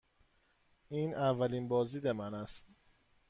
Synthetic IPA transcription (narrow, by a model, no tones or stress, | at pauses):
ʔiːnʔævːæliːnbɒːziːd̪emænæst̪̚